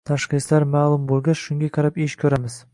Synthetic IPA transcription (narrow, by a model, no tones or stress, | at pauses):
t̪ʰaʃqislaɾmaːlˠʊmbolˠɡaʃʃʊŋɡʲaqʰɑɾapeʃkʲʰɵɾamɪz̥